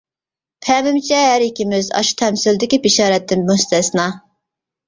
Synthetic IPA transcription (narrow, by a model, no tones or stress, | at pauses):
pʰɛmɪmt͡ʃʰɛɦæɾikʲimɪzɑ̰ʃu̥t̪ʰɛmsɪld̪ɪkʲibiʃɑːɾɛt̪ʰːɪnmust̪ɛsnɑ